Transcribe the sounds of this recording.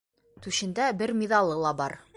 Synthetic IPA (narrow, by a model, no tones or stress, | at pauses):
t̪ʉʃɘ̆nd̪æbɘɾmʲiðɑlˠːɤlˠɑbɑɾ